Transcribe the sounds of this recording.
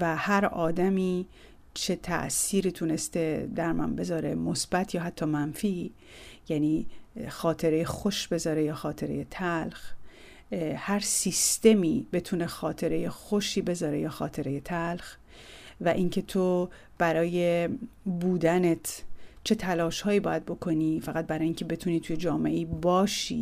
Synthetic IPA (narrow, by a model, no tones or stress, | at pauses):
væhæɾɒːd̪æmiː | t͡ʃʰe̞t̪ʰæ̰ʔsiːɾiːt̪ʰune̞st̪e̞d̪æɾmæ̰nbe̞zɒːɾe̞̰mo̞sb̥æt̪ʰjɒːɦæt̪ʰːɒːmænfiː | jæːniːxɒːt̪ʰe̞ɾe̞jexo̞ʃb̥e̞zɒːɾe̞jɒːxɒːt̪ʰe̞ɾe̞jet̪ʰælx | hæɾsist̪e̞miːbe̞t̪ʰuːne̞xɒːt̪ʰe̞ɾe̞je̞xo̞ʃiːbe̞zɒːɾe̞jɒːxɒːt̪ʰe̞ɾe̞je̞t̪ʰælx | væʔiŋcʰe̞t̪ʰo | b̥æɾɒːje̞buːd̪ænet̪ʰt͡ʃʰe̞t̪ʰælɒːʃhɒːjiːbɒːjæd̪̚bo̞kʰo̞niːfæɣæt̪̚bæɾɒːjiŋcʰe̞be̞t̪ʰuːniːt̪ʰuje̞d͡ʒɒːmeʔeibɒːʃḭː